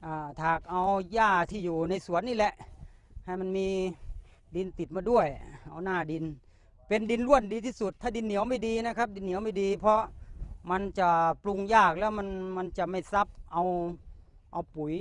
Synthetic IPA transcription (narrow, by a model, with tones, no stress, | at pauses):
ʔaː˧˩t̪ʰaː˨˩k̚ʔa˧wjaː˧˥˩t̪ʰiː˧˩juː˨˩na˧˩jsu˨˦ənːiː˧˥˩lɛ˧ʔha˨˩jma˧˥nmiː˧˥ | di˧nt̪i˨˩t̪̚maː˧du˧˥˩əjʔa˧wnaː˧˩di˧n | pe˧ndi˧nlu˧˥˩əndiː˧t̪ʰiː˧˩su˨˧˩t̪ʰːaː˧˩di˧nːi˨˦əwma˥˩jdiː˧na˧˥˩kʰa˦˥p̚di˧nːi˨˦wma˥˩jdiː˧pʰɔ˧˥ma˧nt͡ɕa˧˩plu˧ŋjaː˧˩k̚lɛː˦˥˩wma˧˥nma˧nt͡ɕa˨˩ma˥˩jsa˦˥p̚ʔa˧w | ʔa˧wpu˨˦j